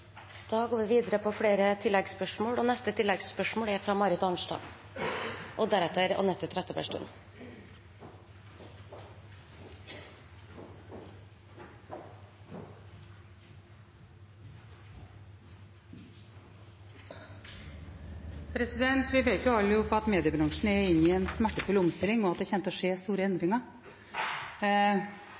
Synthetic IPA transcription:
d̪̥ɑːɡoːʋiːʋiːd̪əɾəpʰoːfɽeːɾət̪ʰɪlːɛɡspœʂmoːɽoːnɛst̪ət̪ʰɪlːɛɡspœʂmoːɽæɾfɾɑːmɑɾɪt̪ɑnʃʈɑ̰ː | ʔoːd̪æɾɛt̪əɾo̰ːnɛt̪ːət̪ʰɾɛt̪əpæ̰ʂʈʉ̰n | pʰɾɛsɪd̪ɛnt̪ʋɪʋeɪt̪jʊɑlːəjʊpʰɑt̪meːd̪ɪəbɾɑŋʂɳ̩ɛɪnːɪɛnsmæʈːəfʉlʊmst̪ɪlːɪŋɔɑt̪̚d̪ɛçɛnt̪ɔʂeːst̪uːɾəɛnd̪ɾɪŋəɾ

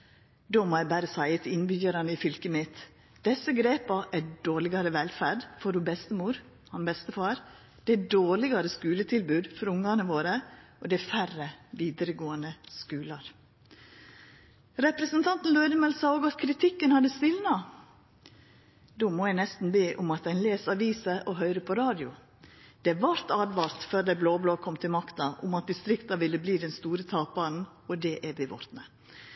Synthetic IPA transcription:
d̪oːmoːjæɪbæɾəsæɪət̪ʰɪnbʏjəɾɑnəɪfʏlkəmɪt̪ | d̪̥ɛsəɡɾeːpɑʔæɖoːɭɪɡɑɾəʋɛlfæɖfɔɾuːbɛst̪əmuːɾ | hɑnbɛst̪əfɑːɾ | d̪̥ɛæɖoːɭɪɡɑɾəskʉːlət̪ʰɪlbʉːd̪fɔɾʊŋɑnəʋoːɾə | od̪ɛfærəʋiːd̪əɾəɡoːənd̪əskʉːlɑɾ | ɾɛpɾəsənt̪ʰɑnt̪n̩løʏd̪əmɛlsɑːoːɡɑt̪kʰɾɪt̪ʰɪkːənhɑd̪əst̪ɪlnɑ | d̪oːmoːjæɪnɛst̪n̩beːʔʊmɑt̪̚d̪ɛɪnleːsɑʋiːsəʔɔɦœʏɾəpʰɔɾɑːd̪ɪʊ̰ | d̪̥ɛʋɑɾt̪ɑːd̪ʋɑːɾt̪fœɾd̪æɪbloːbloːkʰɔmːt̪ʰɪlmɑkt̪ɑʔʊmɑt̪̚d̪ɪst̪ɾɪkt̪ɑʋɪlːəbliːd̪ɛnst̪uːɾət̪ʰɑːpɑn̩ | ɔd̪ɛʔæɾʋɪʋɔ̰ɾt̪nə

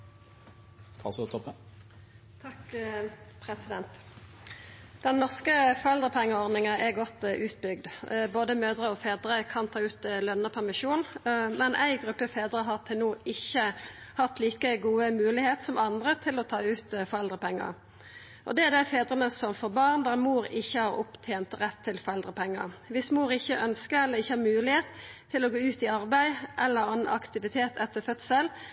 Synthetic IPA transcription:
st̪ɑ̰st̪ʰɔpːə | t̪ʰɑk | pʰʁɛsɪd̪ɛnt̪ | d̪̥ɛnːɔʁskəfɔʁɛld̪ʁəpʰɛŋːəɔʁnɪŋəʔɛʁɡɔt̪ʔʉːt̪̚bʏɡd̪boːd̪əmøːd̪ʁəɔfeːd̪ʁəkʰɑnt̪ʰɑːʉːt̪lœnːəpʰæʁmɪʃuːnmɛnʔæ̰ɪɡʁʉpːəfeːd̪ʁəɦɑʁt̪ʰɛnuːɪçːə | hɑt̪liːkəɡuːəmʉːlɪheːt̪sɔmɑnd̪ʁət̪ʰɪlɔt̪ʰɑːʉːt̪fɔʁɛld̪ʁəpʰɛŋːə̰ʁ | ʔɔ̰d̪ɛæʁd̪æɪfeːd̪ɾənəsɔmfɔɾbɑʁnd̪æmuːɾɪçːəhɑʁʊ̰pt̪ʰeːnt̪ʁɛt̪ʰːɪlfɔɾɛld̪ʁəpʰɛŋːə̰ʋɪsmuːɾɪçːəʔœnskəɾɛlːəʁɪçːəhɑɾmʉːlɪheːt̪ʰː | ɪlɔɡoːʉːt̪ɪɑɾbæɪʔɛlːəɾɑnʔɑ̰kt̪ɪʋɪt̪ʰeːt̪ʰɛt̪ʰːəfœt̪səl

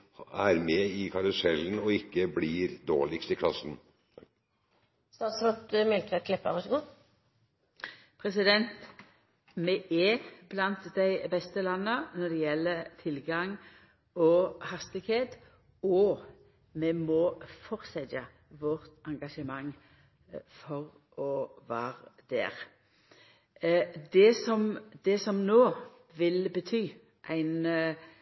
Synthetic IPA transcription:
æɾmɛɪkʰɑɾʊsɛlːnɔɪkːəbliːɾd̪o̰ːɭɪkst̪ɪkʰlɑsn̩ | st̪ɑːt̪sɾɔt̪mɛlk̪əkʰlɛpːəʋɑsəɡuː | pʰʁɛsɪd̪ɛnt̪ | mɛʔɛblɑnt̪d̪æɪbɛst̪əlɑnːənɔd̪ɛjɛlːət̪ʰɪlɡɑŋ | ɔhɑst̪ɪɡheːt̪ | ɔ | mɛmɔfɔʁsɛd̪jɑ | ʋɔʁt̪ɑŋɡɑʂəmɑŋ | fɔʁ | ɔʋæːʁd̪̥æ̰ːʁ | d̪ɛsɔmd̪̥ɛsɔmnoː | ʋɪlbət̪ʰyː | ʔæɪn

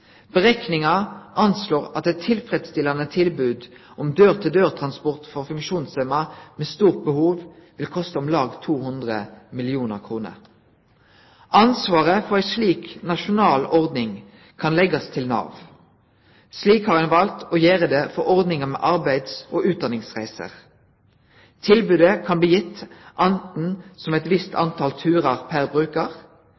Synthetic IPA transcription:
b̥əʁɛknɪŋɑʔɑnsloːʁɑt̪ɛt̪ʰːɪlfʁɛd̪st̪ɪlːɑnət̪ʰɪlbʉːd̪ | ʔɔmd̪øːʁt̪ʰɪld̪øːʁt̪ʰʁɑnspɔʁt̪fɔʁfʉŋkʃuːnsɛmɑmeːst̪uːʁt̪̚bəhuːʋʋɪlkʰɔst̪əɔmlɑːɡt̪ʰuːhʊnd̪ʁəmɪlɪuːnəʁkʰʁuːnə̰ʁ | ʔɑnsʋɑːʁəfɔʁæɪsliːknɑʃʊnɑːlɔʁd̪nɪŋ | kʰɑnlɛɡɑst̪ʰɪlnɑ̰ːʋ | sliːkhɑːʁɛnʋɑlt̪oːjeːʁəd̪efɔʁɔʁd̪nɪŋəmɛ̰ːʔɑʁbæɪd̪soːʔʉːt̪̚d̪ɑnɪŋsʁæ̰ɪsə̰ʁ | t̪ʰɪlbʉːd̪əkʰɑnbliːjɪt̪ːʔɑnt̪n̩sɔmɛt̪ʋɪst̪ʰɑ̰nt̪ʰɑlt̪ʰʉːʁɑʁpʰæʁbʁʉːkəʁ

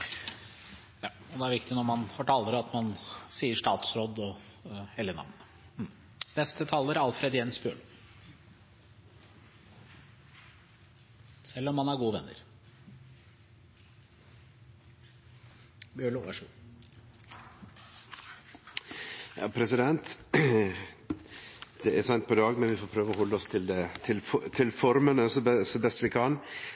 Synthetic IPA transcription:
jɑ | ɔd̪ɛæɾʋɪkt̪ɪnɔɾmɑnfɔʈʰɑːlːəɾəɑt̪mɑnsiːəʂʈ̪ɑːt̪sɾɔd̪ːɔhɛljənɑ̰ʋnə | nɛst̪ət̪ʰɑːlːəɾæɾɑlfɾɛd̪jɛnsbjø̰ːɭ | sɛlːɔmːɑnæɾɡuːəʋɛnːə̰ɾ | bjøːɭuæʂu | jɑ̰ːpʰɾɛsɪd̪ɛnt̪ | d̪ɛʔæɾsæɪnt̪pʰɔd̪ɑːɡmɛnʋɪfoːpʰɾøːʋəɔhɔlːəɔst̪ʰɪld̪ɛt̪ʰɪlft̪ʰɪlfɔɾmənɛsɔɛsɔbɛst̪ʋɪkʰɑn

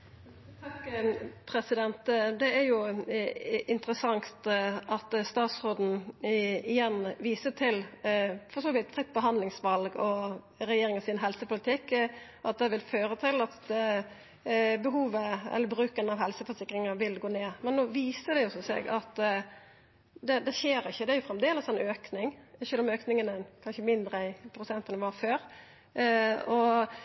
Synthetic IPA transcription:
t̪ʰɑkːəpʰɾɛsɪd̪ɛnt̪d̪ɛæɾjʊ | ɪnt̪əɾəsɑŋt̪ɑt̪st̪ɑːt̪sʁoːd̪n̩ | ɪjɛnʋiːsət̪ʰɪlfɔʂoːʋɪt̪fɾɪt̪̚ːbəɦɑnd̪lɪŋsʋɑlɡɔ | ɾɛjeːɾɪŋəsɪnɦɛlsəpʰʊlɪt̪ʰɪkːɔɑt̪̚d̪ɛʋɪlføːɾət̪ʰɪlɑt̪ | bəɦuːʋəɛ̰lːəbɾʉːkənɑʋhɛlsəfɔsɪkːɾɪŋəʋɪlɡoːneːmɛnːoːʋiːsəd̪ɛjʊsɔsḛɡɑt̪ | d̪ɛd̪ɛçeːɾɪçːəd̪ɛæɾjʊfɾɛmd̪eːləsɛnøːknɪŋʃʉːlɔmøːknɪŋənəɛnkʰɑnɕəmɪnd̪ɾəæɪpʰɾʊsɛnt̪ənəʋɑɾføːɾ | ɔ

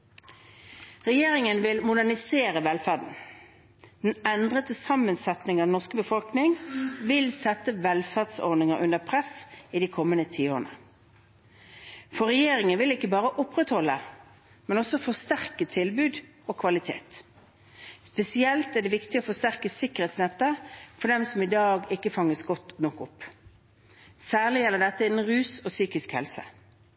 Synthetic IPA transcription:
ʁɛjeːʁɪŋənʋɪlmʊd̪ænɪseːʁəʋɛlfæʁdn̩ | d̪̥ɛnɛnd̪ʁət̪əsɑmːənsɛt̪nɪŋɑnɔʁskəbəfɔlknɪŋʋɪlsɛt̪ːəʋɛlfæʁd̪sɔ̰nɪŋəʔʉnəpʰʁɛsid̪ikʰɔmːənət̪ʰiːoːʁnə̰ | fɔʁɛjeːɾɪŋənʋɪlɪkːəbɑːʁəʔʊpːʁɛt̪hɔlːə | mɛnɔsɔfɔst̪æʁkət̪ʰɪlbʉːd̪ | oːkʰʋɑlɪt̪ʰḛːt̪ | spɛsɪɛlt̪æd̪ɛʋɪkt̪ɪoːfɔst̪æʁkəsɪkəʁɛːt̪snɛt̪ːəfɔɖ̪ɛmsɔmɪd̪ɑːɡɪkːəfɑŋːəsɡɔt̪nɔkːʊpː | sæːʁlɪjɛləd̪ɛt̪ːəɪɛnʁʉːsɔsyːkɪskhɛ̰lsə̰

